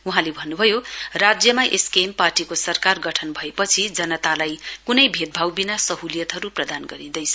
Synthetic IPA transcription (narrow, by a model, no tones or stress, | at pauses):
uɦãlebʱʌnːubʱʌjorad͡zjʌmaʔeskemparʈikosʌrkarɡʌʈʰʌnbʱʌepʌt͡sʰid͡zʌnʌt̪alajkunʌjbʱet̪̚bʱawbinasʌɦulijʌt̪ɦʌɾuprʌd̪anɡʌɾĩnd̪ʌjt͡sʰʌ̥